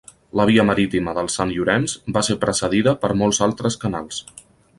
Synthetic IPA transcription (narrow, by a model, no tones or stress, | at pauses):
ləβ̞iəməɾit̪iməðəlˠsanʎuɾɛnzbaseɾpɾəsəðiðəpəɾmɔlˠzalˠt̪ɾəskənalˠs